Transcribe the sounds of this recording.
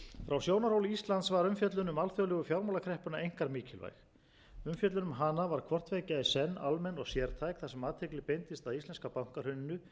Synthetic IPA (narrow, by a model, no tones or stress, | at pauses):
fɾawsjoːwnaɾ̥howlist̪lant̪svaɾʏmfjɛt̪lʏnʏmalθjœlɛɣʏfjawɾmawlakʰɾɛhpʏnaejŋ̥kaɾmiːcɪlva̰jx | ʏmfjɛt̪lʏnʏmɦanavaɾ̥kʰvɔr̥t̪vejcɪaisɛnːalmɛnɔɣsjɛɾt̪ʰajkθasɛmaːt̪ʰeklɪpejnt̪ɪst̪aðist̪ɛnskapawŋ̥kaɾ̥hʏnɪnːʏ